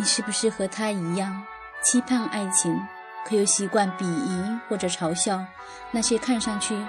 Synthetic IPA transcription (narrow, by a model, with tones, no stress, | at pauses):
ni˨˩ʂɻ̩˥˩bu˩ʂɻ̩˥˩xɤ˧˥t̪ʰa˥i˧˥jɑ˥˩ŋ | t͡ɕʰi˥pʰa˥˧na˥˩ɪt͡ɕʰi˧˥ŋ | kʰɤ˧˥jo˧˥ʊɕi˧˥kwa˥˩npi˨˩i˧˥xwɔ˥˩ʈ͡ʂɤ˨˩ʈ͡ʂʰɑ˧˥ʊɕjɑ˥˧ʊ | na˥˧t͡ɕʰɛ˥˧kʰa˥˧nʂɑ˥˧ŋt͡ɕʰy˥˩